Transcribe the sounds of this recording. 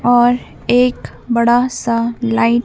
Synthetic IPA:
ɔːɾ | eːk | bɐɽasalaɪʈ

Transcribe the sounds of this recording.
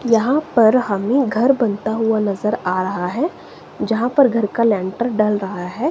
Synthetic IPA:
jɐɦãpɐɾɦɐmẽɡʱɐɾbɐ̃nt̪aɦʊanɐzəɾaːɾɐɦaɦɛ | d͡ʒɐɦãpɐɾɡʱɐɾkalɛ̃ːɳʈəɾɖɐlɾɐɦaɦɛː

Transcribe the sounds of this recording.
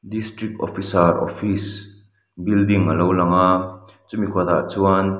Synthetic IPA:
distɾik̚tɔfisarɔ̰fis | bildiŋəlowlɐŋat͡sumikʰuɐd̪a̰ʔt͡suan

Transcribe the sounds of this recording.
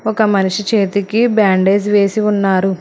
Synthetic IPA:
ɔkɐmɐniʂit͡ʃe̞ːt̪ikibaːɳɖe̞ːsiʋe̞ːsiunːaːɾu

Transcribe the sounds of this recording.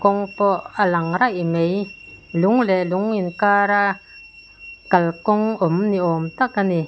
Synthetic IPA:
kɔŋpɔʔalaŋɾaʔimejluŋlɛluŋinkaɾa | kalkɔŋɔmniʔɔmt̪aʔkani

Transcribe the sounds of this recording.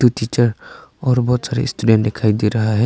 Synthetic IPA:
utit͡ʃəɾɔɾbɔsaɾɛ̰sʈuɖenʈd̪ɛkʰajd̪iɾaɦaɦɛ

